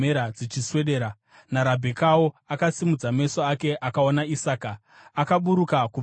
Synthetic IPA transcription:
eɾad͡zit͡ʃiswe̞ɗeːɾa | naɾabʱekawoakasimud͡zame̞soake̞ʔakao̞naisaːkaː | kaɓuɾukaku

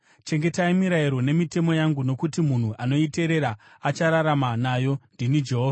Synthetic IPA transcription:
t͡ʃe̞ŋɡe̞taimiɾaiɾo̞ne̞mite̞mo̞jaŋɡuno̞kutimun̤uʔano̞ite̞ɾe̞ɾa | at͡ʃaɾaɾamanaːjo̞ndinid͡ʒe̞ɦoːva

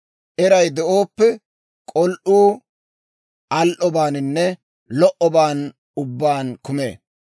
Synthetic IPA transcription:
ʔɛɾɐjd̪ɛʔo̞ːpːɛ | kʼɔlʔuː | ʔɐlʔɔbaːnɪnːɛ | lɔʔɔbaːn | ʊbːaːnkʊmḛː

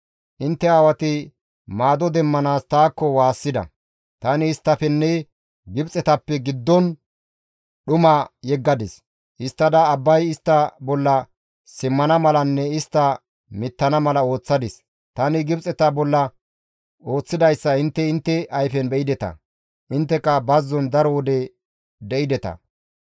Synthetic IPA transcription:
ʔɪnt̪ːɛaːwɐt̪ɪ | maːd̪ɔd̪ɛmːɐnaːst̪aːkːɔwaːsːɪd̪ɐ̰ | t̪ɐnɪːst̪ːɐfɛnːɛ | ɡɪbt͡sʼɛt̪ɐpːɛɡɪd̪ːɔn | ɗʊmɐjɛɡːɐd̪ɪs | ʔɪst̪ːɐd̪ɐːbːɐjɪst̪ːɐbɔlːɐ | sɪmːɐnɐmɐlɐnːɛɪst̪ːɐ | mɪt̪ːɐnɐmɐlɐo̞ːt͡sːɐd̪ɪs | t̪ɐnɪɡɪbt͡sʼɛt̪ɐbɔlːɐ | o̞ːt͡sːɪd̪ɐjsːɐɪnt̪ːɛɪnt̪ːɛɐjfɛnbɛʔɪd̪ɛt̪ɐ̰ | ʔɪnt̪ːɛkːɐbɐzːɔnd̪ɐɾɔwɔd̪ɛ | d̪ɛʔɪd̪ɛt̪ɐ̰

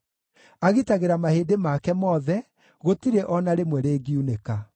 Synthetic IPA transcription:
aɣitaɣeɾamaheːdemakɛmɔðɛ | ɣotiɾeʔɔnaɾemwɛɾeːɡiuneka

